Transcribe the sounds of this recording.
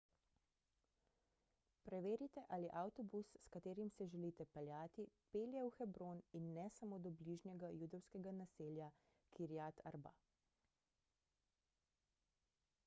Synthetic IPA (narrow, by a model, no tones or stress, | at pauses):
pɾɛʋeːɾit̪ɛʔaːliʔawt̪ɔbusːkat̪eːɾimsɛʒɛliːt̪ɛpɛljaːt̪ipeːljɛuxɛbɾoːninːɛsamoːd̪ɔbliʒnjɛɡajuːd̪ɔwskɛɡanaseːlja | kʰiɾjat̪a̰ɾba̰